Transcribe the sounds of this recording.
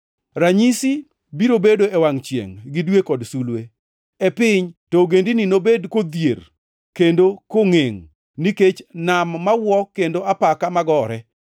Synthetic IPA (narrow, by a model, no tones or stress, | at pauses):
raɲisi | biɾobedoewaŋt͡ʃjḛŋɡɪdwekɔdsulwe | epɪɲtɔɡendininobedkod̪jer | kendokoŋeŋ | niket͡ʃnamːawɔkendoapakamaɡɔɾɛ